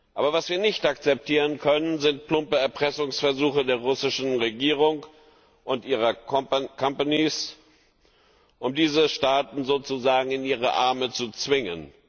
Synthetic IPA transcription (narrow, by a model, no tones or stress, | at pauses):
ʔa̰ːbɐvasv̥iːɐnɪçtʔakt͡sɛp̚tʰiːʁənkʰœnənzɪnt̚pʰlʊmpəɛɐpʁ̥ɛsʊŋsfɛɐzuːxədeːɐʁʊsɪʃn̩ʁeɡiːʁ̞ʊŋ | ʔʊntʔiːʁ̞ɐkʰampanis | ʔʊmdiːzəʃtaːtn̩zoːt͡suzaːɡŋ̩ɪniːʁ̞əʔa̰ɐmət͡sut͡sv̥ɪŋə̰n